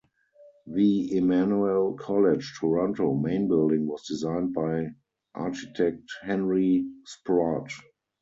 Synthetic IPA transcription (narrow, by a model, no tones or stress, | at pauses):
ðiɪmanuəlkʰɔlɪd͡ʒtʰɔɹɔ̃ntomẽɪ̃nbɪldɪ̃ŋwɔsdizãɪ̃nt̚baɪ | ʔa̰ʃitʰɛk̚thɛ̃nɹispɹat